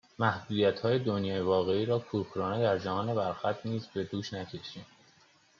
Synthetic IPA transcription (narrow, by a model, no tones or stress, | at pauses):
mæhd̪uːd̪ijæt̪hɒːje̞d̪onjɒːjevɒːɣe̞iːɾɒːkʰuxʰɾɒːne̞d̪æɾd͡ʒæhɒːne̞bæɾxæt̪̚ʰniːzbe̞d̪uːʃnæcʰe̞ʃiːm